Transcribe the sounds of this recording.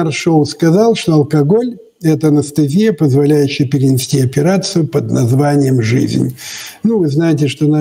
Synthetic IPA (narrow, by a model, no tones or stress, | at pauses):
ɐrʂolˠskɐzalˠʂt̪oɐlˠkɐɡo̞lʲ | ɛt̪əɐnəst̪ɐzʲijəpəzvɐlʲæjʉɕːɪjəpʲɪɾʲɪnʲɪsʲtʲiɐpʲɪɾat̪sɨjʊpəd̪nɐzvanʲɪjəmʐɨ̰zʲnʲnuvɨznajɪtʲɪʂt̪ona